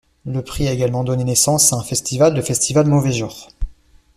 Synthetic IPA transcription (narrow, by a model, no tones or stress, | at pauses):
ləpχiaeɡalmɑ̃d̪ɔnenesɑ̃saɛ̃fɛst̪ivald̪əfɛst̪ivalmɔvɛʒuːʁ